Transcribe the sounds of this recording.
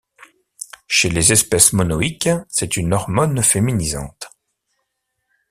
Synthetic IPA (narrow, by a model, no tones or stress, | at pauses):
ʃelezɛspɛsmɔnɔiksɛt̪ynɔʁmɔnfeminizɑ̰̃t̪